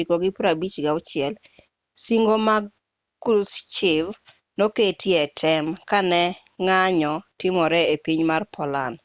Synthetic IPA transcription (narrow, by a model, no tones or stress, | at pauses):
ikɔɡɪpɾabit͡ʃɡaʊt͡ʃɪɛl | siŋɡoma | kust͡ʃɪv | noketʰjɛtʰɛmkanɛŋaɲɔtɪmɔɾɛepiɲmarpʰɔlan